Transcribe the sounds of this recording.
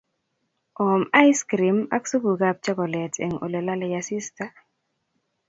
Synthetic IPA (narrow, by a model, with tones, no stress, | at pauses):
ʔɔ˨ma˦jskɾi˨ma̰˦kso˦bu˨ɡa˦p̚t͡ʃa˦ɡɔ˨lɛ˨tʰɛ̰˨ŋo̰˨lɛ˨la˦lɛ˨ja˨si˦sta˦